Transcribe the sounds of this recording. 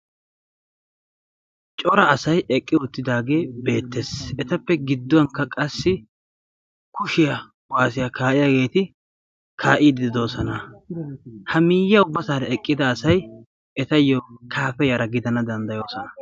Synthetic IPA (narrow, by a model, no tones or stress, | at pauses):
t͡ʃʼɔɾɐːsɐjʔɛkʼːɪʊt̪ːɪd̪aːɡe̞ːbe̞ːt̪ːesɛt̪ɐpːɛɡɪd̪ːʊwɐŋkːɐkʼɐsːɪ | kʊʃɪjɐ | waːsɪjɐkʰaːʔɪjaɡe̞ːt̪ɪ | kʰaːʔiːd̪ɪd̪ɪd̪o̞ːsɔnɐ | hɐmiːjːɐʊbːɐsaːɾɐɛkʼːɪd̪ɐːsɐj | ɛt̪ɐjːokʰaːfɛjɐɾɐɡɪd̪ɐnɐd̪ɐnd̪ɐjo̞ːsɔnɐ